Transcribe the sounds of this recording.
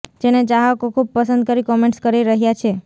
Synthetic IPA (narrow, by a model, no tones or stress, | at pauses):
d͡ʒened͡ʒaɦakokʰub̚pəsə̃nd̪̚kəɾikɔmẽɳʈskəɾiɾəɦjat͡ʃʰe